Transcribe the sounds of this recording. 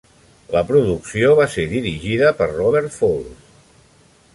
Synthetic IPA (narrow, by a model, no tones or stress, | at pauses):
ləpɾuðuksioβaseðiɾiʒiðəpərrɔβ̞ɛɾt̪folˠs